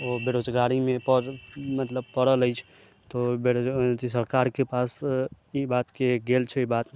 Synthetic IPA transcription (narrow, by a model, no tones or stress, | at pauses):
obeɾod͡ʒɡaɾimẽpəɾmət̪ləb̚pəɽələjt͡ʃʰ | t̪obeɾd͡ʒisəɾkaɾkepas | ibat̪keɡelt͡ʃʰɛibat̪e